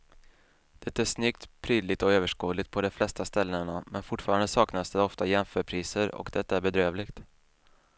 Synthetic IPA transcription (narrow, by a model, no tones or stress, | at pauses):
d̪̥ɛt̪ːaæʂnʏkt̪pʰɾyːd̪lɪt̪ɔøːvəʂkuːlɪt̪pʰɔd̪ɔflɛst̪ast̪ɛlːɳamɛnfʊʈːfɑːɾand̪əsɑːknasd̪ɛɔft̪ajɛmfœːɾpʰɾiːsəɾɔ̰kd̪ɛt̪ːaæɾbɛd̪ɾøːvlɪɡt̪